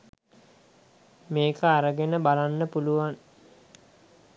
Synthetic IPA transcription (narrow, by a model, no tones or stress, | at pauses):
meːkəaɾəɡenəbalanːəpuluʋan